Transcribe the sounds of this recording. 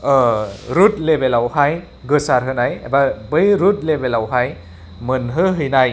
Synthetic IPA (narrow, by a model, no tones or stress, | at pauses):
ɾut̚lebelawhaj | ɡɯsaɾɦɯnajḛbabɯjɾut̚lebelawɦaj | mɯnɦɯɦɯjnaj